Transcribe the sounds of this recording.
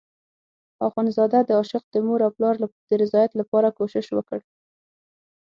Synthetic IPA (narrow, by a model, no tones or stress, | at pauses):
ɑɣɑnzɑd̪ad̪əɑʃɪq̚d̪̥əmoɾawplɑɾd̪̥əɾɪzɑjat̪lapɑɾakoʃɪʃwəkəɽ